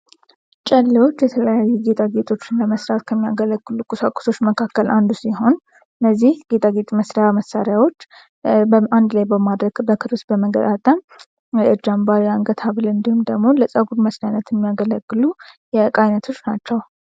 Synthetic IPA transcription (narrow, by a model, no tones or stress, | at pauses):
t͡ʃʼəlːəwo̞t͡ʃːjɛt̪ʰələjajːuɡe̞t̪ʼaɡet̪ʼo̞t͡ʃːɪnləməsɾat̪kʰəmːijaɡələɡːɨlukʼɨsəkʼːu̥so̞t͡ʃːməkʰakːəlʔand̪usiɦo̞n | ɨnːəzːihɡet̪ʼaɡe̞t̪ʼməsɾajaməsaɾjawo̞t͡ʃː | bəand̪lajbəmad̪ɾəɡ̥bəkʰɨɾɨsbəməɡət̪ʼat̪ʼəm | ʔɨd͡ʒambaɾijaŋɡət̪ʰaβɨlɨnd̪ihumd̪əɡmo̞ləsʼəɡuɾməsɾajnət̪ʰjɛmːijaɡələɡːɨlujɛkʼajnət̪ʰo̞t͡ʃːnat͡ʃːɛw